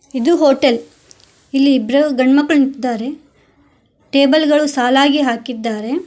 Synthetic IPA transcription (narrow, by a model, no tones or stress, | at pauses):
id̪uɦoːʈel | ilːiːbɾɐɡɐɳmɐkːɐɭnit̪id̪ːaːɾe̞ | ʈe̞ːbɐlɡɐɭusaːlaːɡiɦaːkid̪ːaːɾe̞